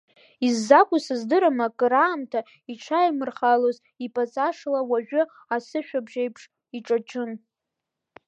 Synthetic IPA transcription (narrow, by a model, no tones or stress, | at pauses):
izːakʷʼʊsɨzdɨɾamakʼɾaːmtʰa | iʈ͡ʂʰajmɨrχaloz | ipʼat͡sʼaʂlawaʒᶣʷʊ | asɨʃᶣabʒejpʰʂ | iʈ͡ʂʼat͡ʃʰʼɨn